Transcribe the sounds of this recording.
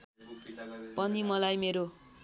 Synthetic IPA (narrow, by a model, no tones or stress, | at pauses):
pʌnimʌlajmeɾo